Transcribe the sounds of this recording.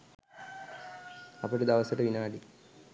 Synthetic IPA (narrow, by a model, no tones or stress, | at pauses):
ɐpːɐɽed̪ɐʋɐsiʈːɐʋinaːɽi